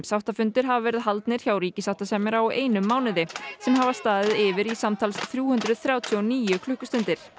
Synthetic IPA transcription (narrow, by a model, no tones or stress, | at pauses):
sawht̪afʏnt̪ɪɾ̥ɦavavɛːɾɪðɦalt̪nɪɾ̥çawɾiːcɪsawht̪asɛmɪɾaɔʔeːjnʏmːaːwnɪðɪsɛmɦavast̪aːðɪðɪvɪɾisamt̪ʰalsθɾjuːhʏnt̪ɾʏðθɾjaːwt̪ʰjɔniːjʏkʰlʏhkʏst̪ʏnt̪ɪɾ̥